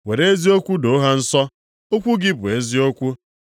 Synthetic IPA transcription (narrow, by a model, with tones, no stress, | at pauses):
we˨ɾe˦zi˦o˦kʷu˦do˨˦ɦa˦n̩˦sɔ˦ | o˦kʷu˦ɡɪ˦bʊ˨e˦zi˦o˦kʷu˦